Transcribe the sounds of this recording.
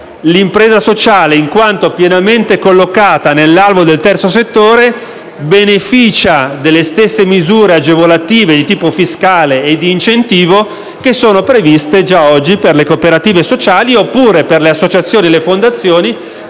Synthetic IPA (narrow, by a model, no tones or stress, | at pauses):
limpɾeːzasot͡ʃaːleiŋkwant̪opjenament̪ekolːokaːt̪anelːalvod̪elt̪ɛrt̪sos̬et̪ːoːɾe | benefiːt͡ʃad̪elːest̪esːemizuːɾead͡ʒevolat̪iːved̪it̪iːpofiskaːleːd̪iːnt͡ʃent̪iːvo | kesːoːnopɾevist̪ed͡ʒaɔd͡ʒːiperlekopeɾat̪iːvesot͡ʃaːliopːuːɾeperleasːot͡ʃat̪sːjoːnielːefond̪at̪sːjoːni